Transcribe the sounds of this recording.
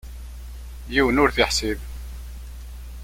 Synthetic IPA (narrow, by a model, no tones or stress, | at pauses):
jiwənʊɾθiħsib